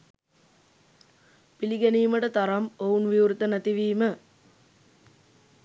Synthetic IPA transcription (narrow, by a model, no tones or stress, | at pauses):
piliɡæniːməʈət̪ɐɾɐmounʋiuɾt̪ənæt̪iʋiːmə